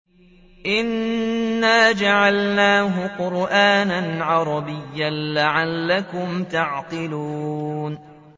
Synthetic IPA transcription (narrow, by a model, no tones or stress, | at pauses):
ʔɪnː | aːd͡ʒaʕalnaːɦʊqʊɾʔaːnanʕɑɾˤɑbɪjːanlaʕalːakʊmt̪ɑʕt̪ɨluːn